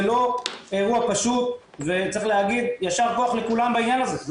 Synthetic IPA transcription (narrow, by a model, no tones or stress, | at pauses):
lo̞eʁuapaʃut̪ | ve̞t͡saʁiχleaɡid̪jaʃaʁko̞aχle̞kulambainjanazez